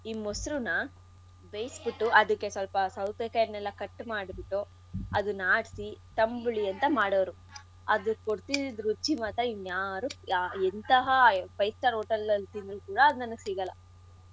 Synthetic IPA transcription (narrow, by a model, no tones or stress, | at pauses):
imːosɾunɐ | bejsbiʈːuʔɐd̪ukːe̞sɐlpɐsɐwt̪ɛkɐjɐnɛlːɐkɐʈːmaːɽbiʈːo | ɐd̪unaːɽisit̪ɐmbɭiɐnt̪ɐmaːɽoʋɐɾu | ɐ̰d̪ukoɽt̪id̪d̪ɾut͡ʃːimaːt̪ɐinjaːɾuaent̪ɐɦɐpɐjsʈɐɾoːʈɐlɐlːt̪ind̪ɾukuːɽɐːd̪unɐnːɐɡsiːɡɐlːɐ̰